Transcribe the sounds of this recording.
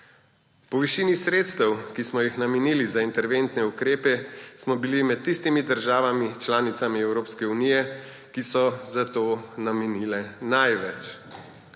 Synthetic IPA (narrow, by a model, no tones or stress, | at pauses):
pɔʋiʃiːnisɾeːt̪st̪ɛwkismɔjixnamɛniːlizaint̪ɛɾʋent̪nɛukɾeːpɛsmɔbilimɛt̪̚tːist̪imid̪əɾʒaːʋamit͡ʃlaːnit̪samiɛwɾoːpskɛunijɛ | kisɔzat̪oːnamɛniːlɛnajʋɛt͡ʃ